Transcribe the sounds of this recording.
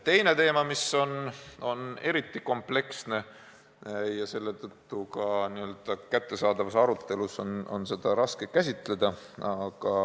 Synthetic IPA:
t̪e̞jne̞t̪e̞ːmɑmiso̞no̞ne̞ɾit̪ːˑiko̞mple̞ksne̞ | jɑse̞lːe̞t̪ɤt̪ːukɑniø̞ld̪̥ɑkæt̪ːe̞sɑːd̪̥ɑvɑsɑɾut̪ːˑe̞luso̞no̞̰nse̞d̪̥ɑɾɑske̞kæsʲit̪ˑle̞d̪̥ɑ | ɑɡ̥ɑ

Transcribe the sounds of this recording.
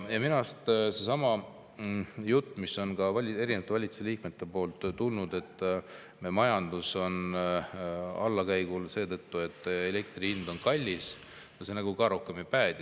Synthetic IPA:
jɑminɑst̪se̞sɑmɑ | jut̪ˑːmisːo̞nkɑvɑlʲe̞ɾinevɑt̪ːevɑlʲit̪t͡ssu̥seliːk̚me̞t̪ːe̞po̞ːlt̪ˑːulnud̪e̞t̪ˑː | memɑjɑnd̪uso̞n | ɑ̰lːɑkæjɡ̥ulse̞ːt̪ɤt̪ːue̞t̪ːˑe̞lek̚t̪rihind̪̥o̞nkɑlʲːis | nosenæɡukɑɾokːˑemipæːd̪̥ʲi

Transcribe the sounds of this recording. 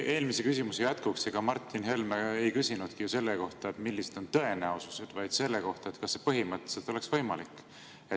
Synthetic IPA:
e̞ːlmisekysimusejæt̪kukseɡ̥ɑmɑrt̪ːˑinɦe̞lmeejkysʲinud̪̥kijuse̞lːeko̞ht̪ɑet̪milːised̪̥o̞nt̪ɤ̞e̞næowsuse̞d̪̥vɑjd̪̥se̞lːeko̞ht̪ɑet̪kɑsːepɤɦimɤt̪ːˑe̥selt̪o̞leksv̥ɤ̞jmɑlikːˑ | e

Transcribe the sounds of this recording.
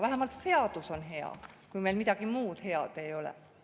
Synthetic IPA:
ʋæhemɑlt̪seɑt̪usonheɑ̰kuimeilmit̪ækimuːt̪heɑ̰t̪eiolḛ

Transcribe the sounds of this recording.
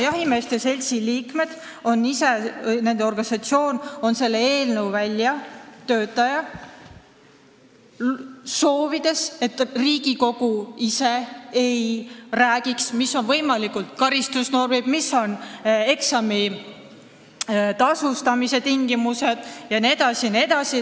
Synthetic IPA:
jɑɦimest̪ese̞lʲsiliːkme̞d̪̥ | o̞nːise̞ne̞nd̪̥eo̞rɡ̥ɑnisɑt̪sio̞ːno̞nse̞lːeeːlnewvælʲjɑt̪ø̞ːt̪ːˑɑjɑ | so̞ːvid̪̥e̞se̞t̪riːɡ̥iko̞ɡ̥uise̞ejræːɡ̥iksmisːo̞nvɤ̞jmɑlikˑult̪̚kɑɾist̪usno̞rmib̥misːo̞ne̞ksɑmi | t̪ɑsust̪ɑmise̞t̪iŋɡ̥imuse̞d̪̥jɑned̪ɑsinie̞d̪ɑsi

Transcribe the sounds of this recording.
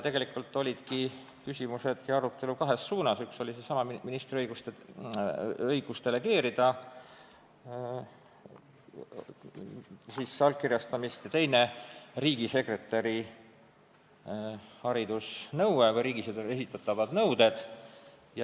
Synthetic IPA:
t̪eɡe̞likːult̪ːˑo̞lʲid̪̥ki | kysʲimuse̞d̪̥jɑɑɾut̪ːˑe̞lukɑɦe̞sːuːnɑsykso̞lʲisesɑmɑminist̪ɾiɤjɡust̪e | ɤjɡ̥ust̪e̞le̞ke̞ːɾid̪̥ɑ | sisːɑlkːirjɑst̪ɑmist̪jɑt̪e̞jneriːɡ̥ise̞kre̞t̪ːˑɑɾi | hɑɾid̪̥usnɤwwekɑjɾiːɡised̪e̞sit̪ːˑɑt̪ːˑɑvɑd̪̥nɤwd̪̥e̞d̪̥ | j

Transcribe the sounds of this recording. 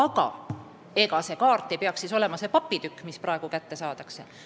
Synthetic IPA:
ɑɡ̥ɑ̰ | e̞ɡ̥ɑse̞kɑːrt̪ˑːepeɑksːiso̞le̞mɑse̞pɑpːit̪ykːˑmispɾrɑe̞ɡ̥ukæt̪ːe̞sɑːt̪ɑkse

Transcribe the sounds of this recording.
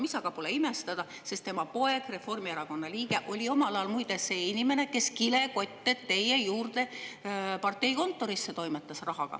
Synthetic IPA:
misɑɡ̥ɑpuleime̞st̪ɑd̪̥ɑ | se̞st̪e̞mɑpo̞e̞ɡ̥re̞fo̞rmieɾɑko̞nːɑliːɡ̥e̞ʔo̞lʲio̞mɑlɑjɑlmujd̪eseːinʲime̞ne̞ke̞skile̞ko̞t̪ʲːet̪t̪ːe̞jejuːrd̪̥e̞ | pɑrt̪ːˑe̞jko̞nt̪ːˑo̞ɾisːe̞t̪o̞jmet̪ːˑɑsrɑɦɑɡ̥ɑ̰

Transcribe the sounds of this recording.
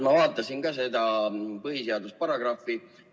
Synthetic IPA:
mɑvɑːt̪ːˑɑsinɡɑs̬e̞d̪̥ɑpɤɦiseɑd̪uspɑɾɑɡ̥rɑfːˑi

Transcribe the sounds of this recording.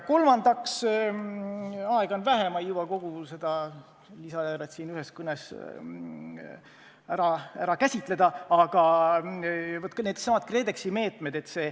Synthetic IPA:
ko̞lmɑnd̪ɑks | ɑeɡ̥ɑonvæɦemɑjjubɑko̞ɡ̥use̞d̪̥ɑ | lisɑjæːɾet̪siːnyɦeskɯnes | æɾɑæɾɑkæsʲit̪ˑle̞d̪̥ɑɑɡ̥ɑ | vot̪ːˑkned̪sɑmɑd̪̚kre̞d̪e̞ksime̞ːt̪ˑmed̪̥e̞t̪se̞ː

